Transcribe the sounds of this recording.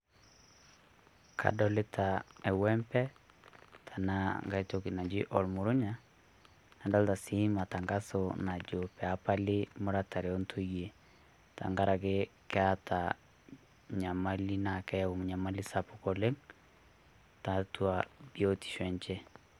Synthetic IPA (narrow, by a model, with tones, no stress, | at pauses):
kʰa̰˨dɔ˨lɪ˦tʰa˨ɛ˨wɛ˦mpɛ˦ | tʰa˨na˦ŋɡa˦i˦to˦ki˨na˨d͡ʒi˦ʔɔ˨lmu˨ɾʊ˦ɲa˦ | na˨nda˦lta˨si˦ma˨ta˨ŋɡa˦so˨na˨d͡ʒo˨pɛ˨a˦pa˦lɪ˦mʊ˦ɾa˦ta˨ɾe˨ɔ˦ntʰo˦je˨ | ta̰˨ŋɡa˦ɾa˨ke˦kɛ˦a˦tʰa˨ | ɲa˨ma˦li˦na˨kɛ˦o˨m˨ɲa˨ma˦li˦sa˨pʊ˨ko˨le˦ŋ | ta˨twa˨bjo˦ti̥˨ʃwɛ˨ɲt͡ʃe˦